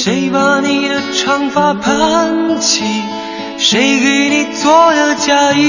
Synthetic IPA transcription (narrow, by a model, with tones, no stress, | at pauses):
ʂe˧˥ɪba˧ni˨˩d̪ə˧ʈ͡ʂʰɑ˧˥ŋfa˧pʰa˧˦nt͡ɕʰi˧˥ | ʂe˧˥ɪke˧ɪni˧˩t͡swɔ˥d̪ə˧t͡ɕja˥i˧